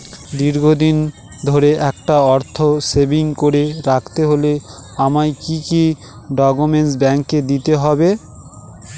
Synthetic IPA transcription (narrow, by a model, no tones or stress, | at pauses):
d̪iɾɡʱod̪in | d̪ʱoɾeʔɛkʈaɔɾt̪ʰosebiŋkoɾeɾakʰt̪eɦoleamajkiki | ɖɔɡumens̬bɛŋkːed̪it̪eɦɔbe